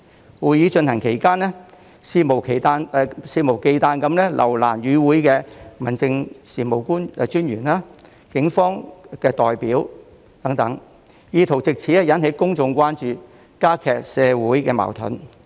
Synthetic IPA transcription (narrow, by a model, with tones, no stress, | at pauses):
wuː˨˧jiː˨˧˥t͡ʃɵ˧nhɐ˨˩ŋkʰe˨˩jkaː˥nɛ˥ | siː˧mo˨˩wkʰe˨˩jt̪aː˧n˧siː˧mo˨˩wke˧jt̪aː˧nkɐ˨˧˥mlɛ˥lʔɐ̰˨˩wla̰ː˨˩nɥyː˨˧wuː˨˥jkɛː˧mɐ˨˩nt͡sɪ˧ŋsiː˨˩mo˨˩wkuː˥nɛ˧t͡ʃyː˥nɥyː˨˩naː˧ | kɪ˨˥ŋfɔː˥ŋkɛː˧t̪ɔː˨jpiː˨˥w | t̪ɐ˨˥ŋt̪ɐ˨˥ŋ | jiː˧t̪ʰo˨˩wt͡sɪ˨k̚t͡sʰiː˨˥ɛ˥jɐ˨˥nhe˨˧˥jkʊ˥ŋt͡sʊ˧ŋkʷwaː˥nt͡ʃyː˨˧ | kaː˥kʰɛː˨k̚sɛː˨˧wuː˨˥jkɛː˧ma̰ː˨˩wt̪ʰɵ̰˨˥n